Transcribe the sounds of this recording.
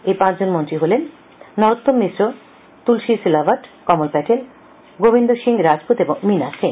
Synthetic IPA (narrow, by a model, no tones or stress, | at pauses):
epãt͡ɕʰd͡ʑonmont̪ɾiɦolenː | ɔɾot̪ːommisɾo | t̪ulʃisilabaʈkɔmolpɛʈʰel | ɡobind̪oʃiŋɾad͡ʑpot̪eboŋminaʃiŋ